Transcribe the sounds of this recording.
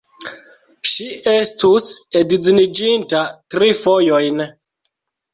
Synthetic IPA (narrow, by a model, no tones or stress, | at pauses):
ʃiestusedizinid͡ʒintatɾifo̞jojn